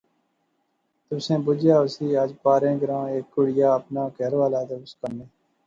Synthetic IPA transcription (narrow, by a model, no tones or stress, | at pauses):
t̪ʊsẽːbʊd͡ʒjaːʊsiːəd͡ʒpaːɾẽːɡəɾãːeːkːʊɽɪjaːəpnaːkɛɾʋaːlaːd̪əbskəneː